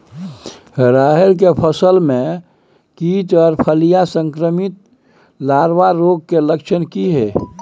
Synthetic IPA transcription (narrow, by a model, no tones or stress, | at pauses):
ɾaːɦeɾk̬epʰəsəlmẽ | kiːt̪ɔɾpʰəlijasə̃ŋkɾəmit̪̚ | laːɾwaɾoːɡ̚keləkʃʰənkiɦɛ